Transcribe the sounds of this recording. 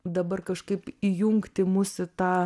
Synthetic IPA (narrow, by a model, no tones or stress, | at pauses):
d̪ɐbɐrkɐʃkɐɪpijʊŋkt̪ʲɪmʊsɪt̪ɑː